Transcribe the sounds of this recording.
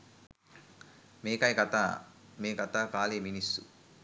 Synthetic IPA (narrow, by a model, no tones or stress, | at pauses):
meːkɐjkɐt̪ameːkɐt̪aːkaːleːminist̪ːṵ